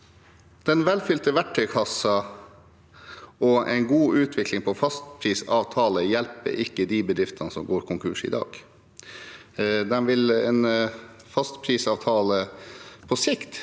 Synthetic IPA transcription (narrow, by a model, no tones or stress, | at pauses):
d̪̥ɛnʋɛlfʏlt̪əʋæʈʰːœʏkʰɑsɑ | ɔʔɛ̰ɪnɡuːʉːt̪ʰʋɪklɪŋpʰɔfɑst̪pʰɾiːsɑːʋt̪ʰɑːləjɛlpə̰ɾɪkːəd̪iːbəd̪ɾɪft̪ʰɑnəsɔmɡoːɾkʰʊŋkʰʉːʂɪ̰d̪ɑ̰ːɡ̥ | d̪ɛnʋɪlɛːn | fɑst̪pʰɾiːsɑːʋt̪ʰɑːləpʰɔsɪkt̪